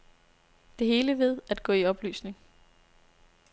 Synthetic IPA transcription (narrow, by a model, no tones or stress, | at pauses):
d̥e̝ɦe̝ːləʋe̝ð̞̰ˠæd̥̚ɡ̥ɔ̰ːiɒ̽b̥ly̰ːsne̝ŋ